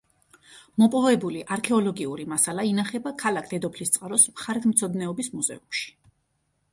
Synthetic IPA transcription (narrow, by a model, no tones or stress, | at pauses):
mɔpʼɔvɛbuliʔaɾkʰɛɔlɔɡiuɾimasalainaχɛbakʰalakʰd̪̥ɛd̪ɔpʰlist̪sʼqʼaɾɔsmχaɾɛt̪ʰmt̪sʰɔd̪nɛɔbismuzɛ̰umʃi̥